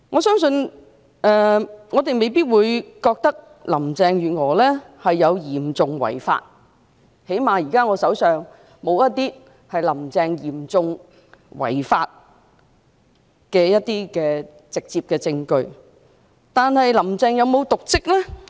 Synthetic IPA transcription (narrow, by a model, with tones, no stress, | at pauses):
ŋɔː˨˧sœː˥ŋsɵ˧n | ʔɛː˨ŋɔː˨˧t̪e˨jme˨˧jpiː˥t̚wuː˨˧jkɔː˧k̚t̪ɐ˥k̚ | lɐ˨˩mt͡sɛː˨˧ŋjyː˨˩ŋɔː˨˩lɛː˥ | hɐ˨jːɐ˨˧wjiː˨˩mt͡sʊ˨ŋwɐ̰˨˩jfa̰ː˧t̚ | he˨˥jmaː˨˩jiː˨˩kaː˥ŋɔː˨˧sɐ˨˥wsœː˨ŋ | mo˨˧wjɐ˥t̪iː˥ | hɐ˨jlɐ˨˩mt͡sɛː˨˧ŋjiː˨˩mt͡sʊ˨ŋ | wɐ̰˨˩jfaː˧t̚ | kɛː˧jɐ˥t̚t̪iː˥kɛː˧ | t͡sɪ˨k̚t͡siː˧p̚kɛː˧t͡sɪ˧ŋkɵ˧ɥ | t̪aː˨nhɐ˨jlɐ˨˩mt͡sɛː˧ŋjɐ˨˧wmo˨˧wt̪ʊ˨k̚t͡sɪ˥k̚lɛː˥